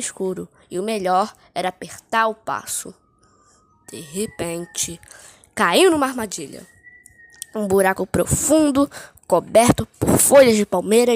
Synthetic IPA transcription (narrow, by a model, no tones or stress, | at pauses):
ɪskuɾʊ | ɪʊmeʎɔɾ | ɛɾɐapeɾt̪aɾʊpa̰sʊ̰ | d̪̥ehepẽnt͡ʃɪ | kaiwnũmɐaɾmad͡ʒiʎɐ̰ | ũbuɾakʊpɾo̰fũd̪ʊ | kobɛɾt̪ʊpʊɾfoʎɐzd͡ʒɪpawmejɾɐ